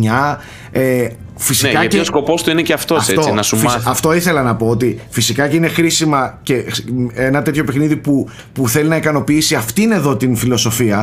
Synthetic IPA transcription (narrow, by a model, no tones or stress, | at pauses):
ɲɐ | e | fisikɐcosko̞po̞st̪uineceɐft̪o̞ɐfset̪ot͡sinɐsumɐft̪o̞iθe̞lɐnɐpo̞ot̪̬ifisikɐceinexɾisimɐce̞enɐt̪e̞t̪ço̞pexniðipu | puθe̞linɐikɐno̞piisiɐft̪ine̞ðo̞t̪infilo̞so̞fiɐ